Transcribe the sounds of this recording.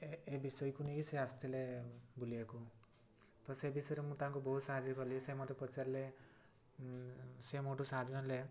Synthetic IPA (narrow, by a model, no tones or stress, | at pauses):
ebisɔjkunekiseast̪ʰilebuliaku | t̪ɔsebisɔjɾemũt̪aɦaŋkubɔɦut̪saɦad͡ʒɔkɔɾlisemɔt̪epɔt͡ʃaɾle | semoʈsaɦad͡ʒnɔle